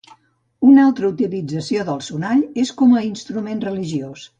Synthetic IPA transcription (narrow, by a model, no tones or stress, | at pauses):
unalˠt̪ɾəut̪ilid͡zəsioðəlˠsunaʎeskɔməinst̪ɾumenrəliʒios